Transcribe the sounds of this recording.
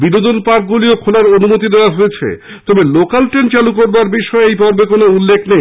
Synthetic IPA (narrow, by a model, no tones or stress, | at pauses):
binod̪onpaɾk̚ɡuliokʰolaɾonumot̪id̪eoaɦoet͡ɕʰḛ | t̪ɔbelokalʈɾent͡ɕalukoɾbaɾbiʃɔeejpɔɾbekonoulːekʰnej